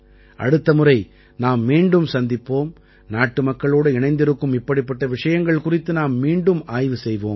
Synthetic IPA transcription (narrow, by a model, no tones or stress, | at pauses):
ʔɐ̰ɽɯt̪ːɐmɯrɐɪ | naːmːiːɳɖɯmsɐnd̪ɪpːoːm | naːʈːɯmɐkːɐɭoːɽɯɪɳɐɪnd̪ɪɾɯkːɯmɪpːɐɽipːɐʈːɐʋɪʂɐjɐŋɡɐɭkʊrɪt̪ːɯnaːmːiːɳɖɯmaːjʋɯsɛjʋoːm